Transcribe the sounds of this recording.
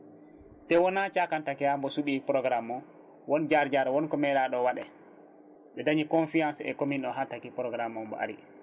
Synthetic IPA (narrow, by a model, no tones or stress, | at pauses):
tɛwɔnat͡ʃakantakɛhambɔsuɓipɾɔɡɾamɔ | wɔnd͡ʒaɾd͡ʒaɾwɔnkɔmɛɗaɗɔwaɗɛ̰ | ɓɛdaɲikɔnfijansɛ̰kominɗɔɦatakipɾɔɡɾamːɔmbɔ̰ʔa̰ɾḭ